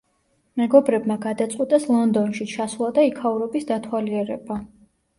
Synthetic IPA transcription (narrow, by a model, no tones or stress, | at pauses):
mɛɡɔbɾɛbmaɡad̪at̪sʼqʼwit̪ʼɛslˠɔnd̪ɔnʃit͡ʃʰasulˠad̪aikʰauɾɔbisd̪at̪ʰwaliɛɾɛ̰ba